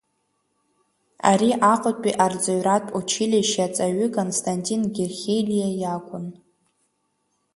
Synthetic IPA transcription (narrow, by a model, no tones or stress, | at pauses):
a̰ɾiʔaqʼətʼiʔard͡zoɥratʼut͡ʃʰɪlʲeʃat͡sʼaɥʏkʼonstʰantʼinɡʲerχʲelʲijajakʷʼʊn